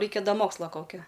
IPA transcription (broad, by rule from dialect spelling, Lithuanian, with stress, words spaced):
ˈrɐɪkʲɛ ˈdɐ ˈmoːkslˠɐ ˈkoːkʲɛ